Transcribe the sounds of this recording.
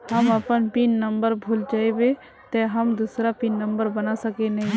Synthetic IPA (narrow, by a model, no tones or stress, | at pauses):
həməpənpinːəmbəɾbʱuld͡ʒaːebe | t̪eɦəmd̪usɾapinːəmbəɾbənasəkenəɦĩ